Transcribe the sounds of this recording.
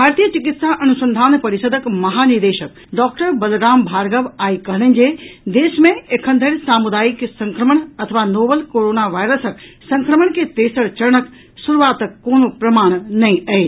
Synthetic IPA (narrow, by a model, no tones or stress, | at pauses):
bʱaːɾt̪ijət͡ʃɪkɪt̪saʔɐnusə̃nd̪ʱaːnpɐɾɪsəd̪ʱəkmɐɦaːniɾd̪eːʃək̚ | ɖɔːk̚ʈəɾbɐlɾaːmbʱaːɾɡəʋaːikɐɦɽə̃nd͡ʑed̪eːʃmẽekʰə̃nd̪ʱəɾsaːmud̪aːiksɐ̃ŋkɾəməɳɐt̪ʰəʋanoːbəlkoːɾoːnaʋaːjɾəsək | sɐ̃ŋkɾəməɳ̃ket̪eːsəɽt͡ʃɐɾəɳək | suɾuʋaːt̪kːoːnopɾɐmaːɽ̃nɐĩɐe